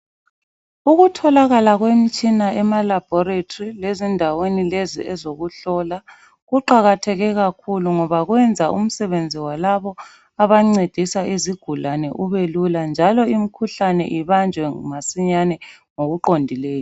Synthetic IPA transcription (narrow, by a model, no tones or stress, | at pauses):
uɣutʰɔlaɣalaɣwem̩t͡ʃʼinaɛmalab̥ʱɔɾetʰorilezindʱawenilezḭʔɛzoɣuɬɔla | ɣuǃaɣatʰɛɣɛɣakʰuluŋɔβaɣwɛnd͡zʱaʔṵm̩sɛβend͡zʱiwalaβɔ | aβaŋ͡ǀed̥ʱisaʔiziɡ̥ʱulanɛʔuβeluland͡ʒʱalɔim̩kʰuɬanɛ̰ʔiβand͡ʒʱwɛmasiɲanɛŋoɣuǃondʱileːjɔ